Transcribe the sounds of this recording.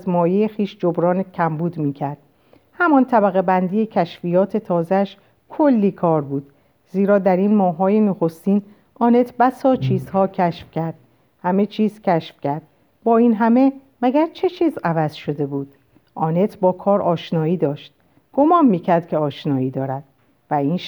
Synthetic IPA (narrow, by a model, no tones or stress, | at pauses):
zmɒːjejexiːʃd͡ʒo̞bɾɒːncʲʰæmbuːd̪miːcʰæɾd̪̥̚ | hæmɒnt̪ʰæbæɣe̞bænd̪iːjecʲʰæʃfiːjɒːt̪ʰe̞t̪ʰɒːzeæʃ | kʰo̞lːiːkʰɒːɾbuːd̪̥ | ziːɾɒːd̪æɾinmɒːɦːɒːjenoxo̞st̪iːn | ʔɒːne̞t̪ʰbæsɒːt͡ʃʰiːzhɒːcʰæʃfcʲæɾd̪̥ | hæme̞t͡ʃʰiːz̥cʰæʃfcæɾd̪̥ | bɒːiːnɦæme̞mæɡæɾt͡ʃʰe̞t͡ʃʰiːzævæzʃo̞d̪e̞buːd̪̥ | ʔɒːne̞t̪ʰbɒːkʰɒːɾʔɒːʃnɒːiːd̪ɒːʃt̪̚ | ɡ̥o̞mɒːnmiːcʰæɾd̪̥cʰeɒːʃnɒːiːd̪ɒːɾæd̪̥̚ | væiːn